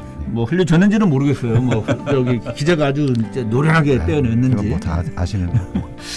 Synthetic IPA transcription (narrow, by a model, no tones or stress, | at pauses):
mwʌɸɯʎːut͡ɕʌnːɯnd͡ʑinɯnmoɾɯɡe̞s͈ʌjomwʌɸkt͡ɕʌɡikid͡ʑeɡaad͡ʑut͡ɕ͈e̞noɾjʌɦaɡe̞p͈eʌnenːɯnd͡ʑiaɕʰinɯn